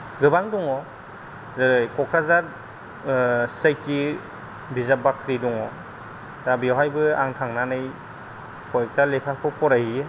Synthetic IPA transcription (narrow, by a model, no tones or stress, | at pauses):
ɡɯbaŋdɔŋɔ | zɯɾɯjkɔkʰɾazaɾ | sajti | bizabakʰɾidɔŋɔ | zabiaɦajbɯa̰ŋtʰaŋnanɯj | kɔjk̚talepʰapʰɯpɔɾajhie